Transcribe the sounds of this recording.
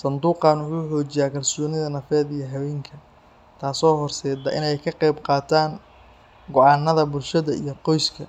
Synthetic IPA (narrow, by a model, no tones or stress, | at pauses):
sɐnd̪uːqɑːnħuːħɔːt͡ʃɪjaːkʰɐlsɔːnɪðɐnɐfɛːd̪ijɔɦɐwɛːŋkʰɐ | t̪ʰaːsɔːɦɔrsɛːd̪ɐ̰ʔɪnɛjkʰɐqɛjbqɑːt̪ʰaːŋ | ɡɔʕɑːnːɐðɐbʊlʃɐðɐʔḭjɞqɔjskʰɐ